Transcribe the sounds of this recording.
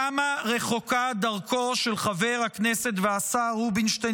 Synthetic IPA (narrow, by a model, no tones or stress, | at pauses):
amaʁe̞χo̞kad̪aʁkʰo̞ʃe̞lχave̞ʁhakneset̪veasaʁubinʃte